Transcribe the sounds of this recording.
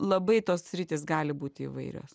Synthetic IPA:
lˠɐbɐɪt̪oːssʲɾʲɪt̪ʲɪːs̬ɡɑːlʲɪbuːt̪ʲɪḭʋɐɪɾʲo̰ːs

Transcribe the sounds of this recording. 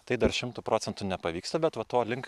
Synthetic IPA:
t̪ɐɪd̪ɐɾʃʲɪmt̪uːpɾoːtsʲɛnt̪ʊnʲɛpɐʋʲiːkst̪ɐbʲɛt̪ʋɐt̪oːlʲɪŋk

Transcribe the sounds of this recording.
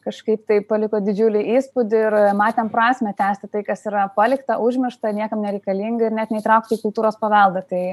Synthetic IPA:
kɐʃkɐɪpt̪ɐɪpɐlʲɪkoːd̪ʲɪd͡ʒʲuːlʲɪiːspʊd̪ʲɪɪɾmɑːt̪ʲɛmpɾɑːsʲmʲɛt̪ʲæːsʲt̪ʲɪt̪ɐɪkɐsiːɾɐpɑːlʲɪkt̪ɐʔʊʒʲmʲɪʃt̪ɐnʲiɛkɐmnʲɛɾʲɛɪkɐlʲiːŋɡɐɪrnʲɛt̪nʲɛɪt̪ɾɐʊkt̪ʲiːkʊlˠt̪uːɾoːspɐʋɐlˠd̪ɐt̪ɐɪ

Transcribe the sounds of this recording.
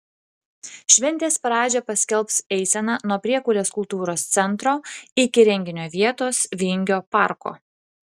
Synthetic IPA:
ʃʲʋʲɛnʲt̪ʲeːspɾɑːd͡ʒʲɛpɐsʲkʲɛlˠpsɛɪsʲɛnɐnuɔpʲɾʲiɛkʊːlʲeːskʊlˠt̪uːɾoːst̪sʲɛnˑt̪ɾoːɪkʲɪɾʲɛŋʲɡʲɪnʲoːʋʲiɛt̪oːsʋʲɪŋʲɡʲoːpɑˑɾko̰ː

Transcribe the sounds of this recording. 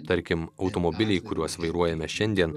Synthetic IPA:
t̪ɐɾʲkʲɪmɒʊt̪omobʲɪlʲɛɪkʊɾʲuɔsʋɐɪɾuɔjɛmʲɛʃʲɛnʲd̪ʲiɛn

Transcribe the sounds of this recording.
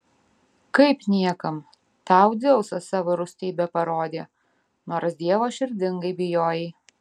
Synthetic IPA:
kɐɪpnʲiɛkɐm | t̪ɑˑʊd̪ʲɛʊsɐsɑːʋoːɾʊsʲt̪ʲɛɪbʲɛpɐɾoːd̪ʲeː | noːɾsd̪ʲiɛʋoːʃʲɪɾʲd̪ʲɪŋɡɐɪbʲɪjoːjɛɪ

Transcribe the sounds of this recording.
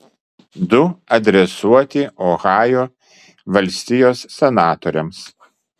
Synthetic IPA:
d̪ʊɐd̪ʲɾʲɛsuɔt̪ʲɪʔɔɣɑːjoː | ʋɐlʲsʲt̪ʲɪjoːsːʲɛnɑːt̪ɔɾʲɛms

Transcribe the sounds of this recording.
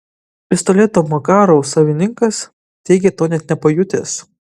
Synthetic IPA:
pʲɪst̪olʲeːt̪oːmokɑːɾosɐʋʲɪnʲɪŋkɐs | t̪ʲɛɪɡʲɛt̪oːnʲɛt̪nʲɛpɐjʊt̪ʲḛːs

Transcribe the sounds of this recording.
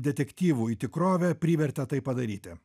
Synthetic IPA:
d̪ʲɛt̪ʲɛkʲt̪ʲiːʋuːit̪ʲɪkɾoːʋʲɛpʲɾʲiːʋʲɛɾʲt̪ʲɛt̪ɐɪppɐd̪ɐɾʲiːt̪ʲɪ

